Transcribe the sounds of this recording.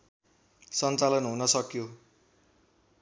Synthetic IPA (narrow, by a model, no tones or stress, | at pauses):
sʌnt͡salʌnɦunʌsʌkjo